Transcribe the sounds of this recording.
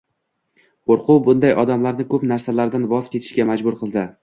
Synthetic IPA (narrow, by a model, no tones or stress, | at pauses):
qoɾqʊwbʊnd̪ajʔɒd̪amlaɾnɪkʰɵpnaɾsalaɾd̪anvɒzkʲʰe̞t̪ʰɪ̥ʃɡʲamad͡ʒbʊɾqʰɨlˠd̪ɪ